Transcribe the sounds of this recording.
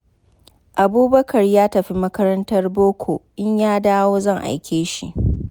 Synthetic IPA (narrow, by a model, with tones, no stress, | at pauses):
ʔa˨buː˦bɐ˦kʰɐ˨rjaː˦tɐ˨ɸi˦mɐ˦kɐ˦ɾɐ˦ntɐ˦rboː˦kʷʰo˨ʔɪ˦ɲjaː˦daː˦woː˦zɐ˦˨ŋʔa̰˨jkʲeː˦ʃḭ˦ʔ